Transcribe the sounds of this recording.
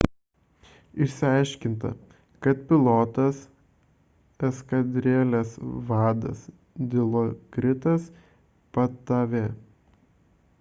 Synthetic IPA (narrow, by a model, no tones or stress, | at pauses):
ɪʃʲsʲɪɑˑɪʃʲkʲɪnt̪ɐ̰ | kɐt̪̚pʲɪlˠɔːt̪ɐs | ɛskɐd̪ʲɾʲeːlʲeːsʋɑːd̪ɐ̰s | d̪ʲɪlˠokɾʲɪt̪ɐs | pɐt̪ɑʋʲeː